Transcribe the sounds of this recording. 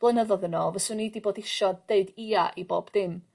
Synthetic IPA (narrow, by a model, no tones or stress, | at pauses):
b̥lˠənəðɔðənɔvəsʊnidiboːdɪʃɔ̥eɨdiːaʔibo̰ːbdɪm